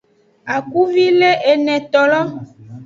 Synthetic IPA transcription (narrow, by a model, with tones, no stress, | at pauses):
a˨ku˦vi˦le˦ʔe˨nɛ̃˨t̪ɔ˨lɔ˦